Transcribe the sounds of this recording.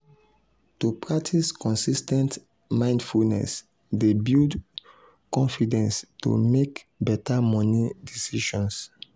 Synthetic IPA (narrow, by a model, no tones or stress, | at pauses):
tupɹak̚tʰiskɔ̃nsistɛ̃nt | mãɪ̃ndfulnɛ̰s | debild | kɔ̃nfidɛ̃nsto̰mek | bɛtamɔ̃nidisiʃɔ̃ns